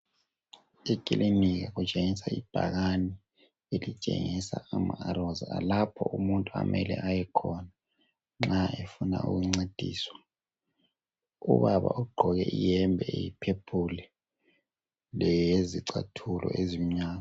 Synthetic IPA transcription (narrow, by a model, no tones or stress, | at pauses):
ikʼilʔimikaɣut͡ʃʼeŋisaib̥ʱa̰ɣani | elit͡ʃʼḛŋisaamaaɾɔzaa̰lapʰɔ̰ʔumuntʼua̰mʔɛlɛ̰ʔajɛkʰɔna | ŋ͡ǁaefuna̰ʔṵɣuŋ͡ǀed̥ʱiːswḁ | ṵβaβa̰ʔuɡ͡ǃʱɔɣɛʔijɛmbʱɛejipʰepʰulɛ | lɛjjeziǀatʰulʔɔ̰ʔezim̩ɲaːɣa